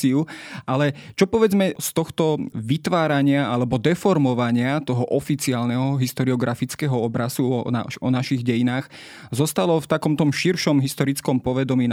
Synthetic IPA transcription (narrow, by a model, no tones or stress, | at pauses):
iualɛt͡ʃɔpɔʋɛd͡zmɛst̪ɔxt̪ɔʋit̪ʋaːɾaɲɪaalɛbɔd̪ɛfɔɾmɔʋaɲɪat̪ɔɦɔʔɔfit͡siaːlnɛɦɔɦist̪ɔɾiɔɡɾafit͡skɛɦɔɔbɾasuɔna̰ʃɔnaʃiɣɟɛjinaːx | zɔst̪alɔft̪akɔmt̪ɔmʃiɾʃɔmɦist̪ɔɾit͡skɔmpɔʋɛd̪ɔmiː